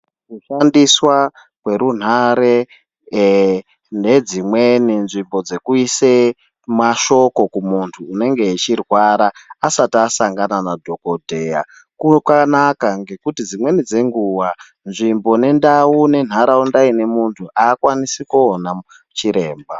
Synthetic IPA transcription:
kuʃandiswa | kwe̞ɾun̤aɾe̞ | ne̞d͡zimweninʐimbo̞d͡ze̞kuise | maʃo̞ko̞kumuntʰuːne̞ŋɡe̞ːt͡ʃirwaɾaːsatasaŋɡananadʱo̞ko̞dʱe̞ja̰ | kukwanakaŋɡe̞kutid͡zimwe̞nid͡ze̞ŋɡuwa | nʐimbo̞ne̞ndaune̞n̤aɾaundaine̞muntʰuʔaːkwanisikuona | t͡ʃiɾe̞ːmba

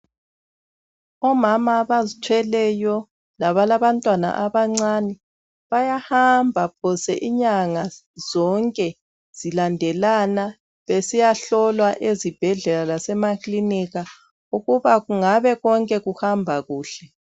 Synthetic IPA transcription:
ɔmamaβazitʰwɛlɛjɔ | laβalaβantʼwana̰ʔaβaŋ͡ǀanɛ | βajahambʱap̚ʰɔsɛʔiɲaŋa | z̥ɔŋkʼɛ | z̥ilandʱɛlana | βesijaɬɔlwaʔezib̥ʱɛɮɛlalasɛmakʰʼliniɣa | uɣuβaɣuŋaβɛɣɔŋkʼɛɣuhambʱaɣuːɬɛ

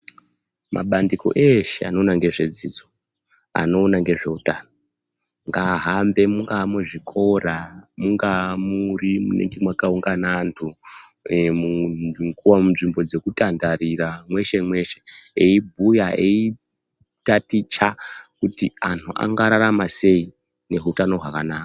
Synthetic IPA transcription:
mʔa̰ɓandiko̞̰ʔe̞ʃea̰no̞naŋɡe̞ʐe̞d͡zid͡zo̞ | a̰no̞ːnaŋɡe̞ʐe̞utano | ŋɡaɦambe̞muŋɡamuʐikʰo̞ramuŋɡamurimṵne̞̰ŋɡimwakauŋɡanantʰu | muŋɡuwamunʐimbo̞d͡ze̞kutandariɾamwe̞ʃe̞mwe̞ʃe̞eibʱujaei | tatit͡ʃakutiantʰua̰ŋɡaɾaɾamase̞i | ne̞ɦutano̞ɦwakanaːka

